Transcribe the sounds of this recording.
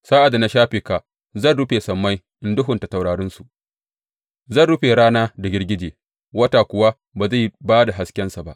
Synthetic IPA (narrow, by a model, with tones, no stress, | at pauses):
saː˦ʔa˨da˨na˨˦ʃaː˦ɸiː˨ka˨ | zɐ˦˨nɽʊ˦ɸeː˨sɐ˨mːa˦j | ʔɪ˨ndʊ˦ɦʊ˨nta˨ta˨wɽaː˨ɽɪ˦nsu˨ʔ | zɐ˦˨ɽʊ˦ɸeː˨ɾaː˦naː˦da˨ɡʲɪ˦rɡʲɪ˦d͡ʒeː˨ | wɐ˦taː˨kʷʊ˨wa˦ | baː˨za˦˨baː˦da˨ɦa˨skʲɛ˦nsa˨ba̰˦ʔ